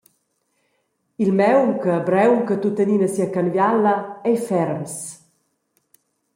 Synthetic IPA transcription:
ilmɛwmkəbɾɛwmkət̪ut̪əniːnəsiːakanvjalːɐɛjfɛɾms

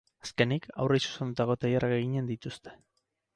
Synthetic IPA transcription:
aske̞nika̰wresu̥send̪ut̪aɣo̞t̪ajaɾʔaɣeɣiɲe̞nd̪it̪ust̪e̞̥

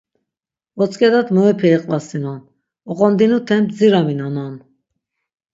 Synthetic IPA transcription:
vɔt͡sʼkʼɛd̪at̪mɔɛpʰɛɛqʼvasinan | ɔqʼɔnd̪inut̪ʰɛmt̪ʰd͡ziɾaminanan

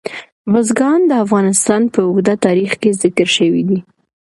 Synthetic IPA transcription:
bozɡɑnd̪əafɣɑnɪst̪ɑnpəʊɣd̪at̪ɑɾixkezɪkəɾʃəwid̪i

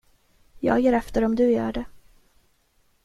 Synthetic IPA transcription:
jɑ̰ːɡjeːɾɛft̪əɾɔmd̪ɵjœ̰ːɖɛ

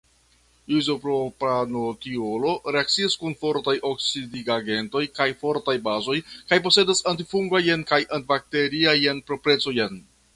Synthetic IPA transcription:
izopɾopanotio̞lo̞ɾe̞ak̚t͡siaskunfo̞ɾtajoksidiɡaɡe̞nto̞jkajfo̞ɾtajbazo̞jkajpo̞se̞dasantifuŋɡajenkajʔantbak̚te̞ɾiajenpɾopɾe̞t͡so̞jen

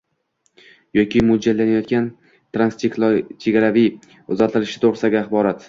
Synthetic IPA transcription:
jɒkʲɪmʊd͡ʒalːanajɒt̪̚ɡʲan | t̪ɾanst͡ʃeklt͡ʃʰe̞ɡʲaɾavij | ʊzat̪ʰɪlɪʃɪt̪ʰoʁɾɪsaɡʲaaχbɒɾat̪

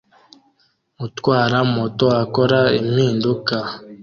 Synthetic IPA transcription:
utwaːɾamotoakoɾaimhiːnduka

